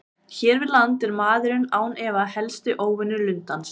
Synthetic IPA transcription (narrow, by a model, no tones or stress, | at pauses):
çɛːɾvɪðlant̪ɪɾmaːðʏɾʏnaːwnɛvahɛlst̪ʏʔoːwvɪnːʏɾlʏnt̪ans